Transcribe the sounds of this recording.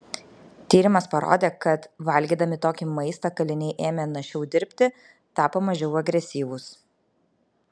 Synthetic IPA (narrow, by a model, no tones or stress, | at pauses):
t̪ʲiːɾʲɪmɐspɐɾo̰ːd̪ʲeːkɐt̪ʋɐlʲɡʲiːd̪ɐmʲɪt̪oːkʲimɐɪst̪ɐkɐlʲɪnʲɛɪʔeːmʲɛnɐʃʲɛʊd̪ʲɪɾʲpʲt̪ʲɪ | t̪ɑːpomɐʒʲɛʊɐɡɾʲɛsʲiːʋʊs